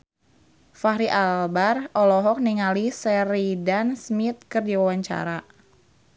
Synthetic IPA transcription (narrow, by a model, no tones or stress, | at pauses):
faɾiʔalbarʔɔlɔɦɔk̚niŋalisɛɾidansmit̪̚kərdiwawaɲt͡ʃa̰ɾa